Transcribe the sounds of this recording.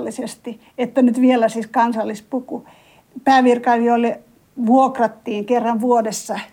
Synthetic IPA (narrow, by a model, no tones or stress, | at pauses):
lːisest̪i | et̪ːænyt̪ʋielæsiskɑnsɑlːispuku | pæːʋirkɑilioilːe | ʋuokrɑt̪ːiːŋkerːɑʋʋuodesːɑ